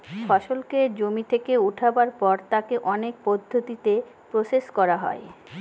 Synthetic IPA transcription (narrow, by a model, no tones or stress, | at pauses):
fɔʃolked͡ʑomit̪ʰekeuʈʰabaɾpɔɾt̪akeʔɔnek̚pod̪ʱːot̪it̪e | pɾoseʃkɔɾaɦɔ̰e